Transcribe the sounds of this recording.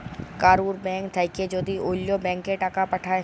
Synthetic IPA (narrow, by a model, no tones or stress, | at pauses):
kaːɾuːɾbɛ̃ːŋkt̪ʰaɪked͡ʒoːd̪ioːljõbɛ̃ːŋkːeʈakapɐʈʰaːe